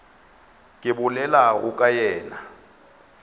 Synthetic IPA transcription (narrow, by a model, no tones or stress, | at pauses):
kʼiɓulɛlaukʼajɛːna